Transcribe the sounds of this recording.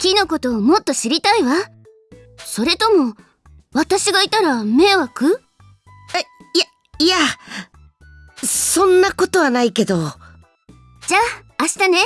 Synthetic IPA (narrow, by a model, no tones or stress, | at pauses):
kʲino̞ko̞t̪o̞ːmo̞t̪ːo̞ɕiɾʲit̪aiβa | so̞ɾe̞t̪o̞mo̞ | βat̪aɕiɡait̪aɾame̞ːβakɯ̟ | ja | ia | sõ̞nːako̞t̪o̞βanaike̞d̪o | d͡ʑaː | ɕi̥t̪ane̞